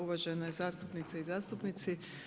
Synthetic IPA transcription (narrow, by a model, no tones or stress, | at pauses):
uʋaʒenazaːst̪upnit̪seizaːst̪upnit̪si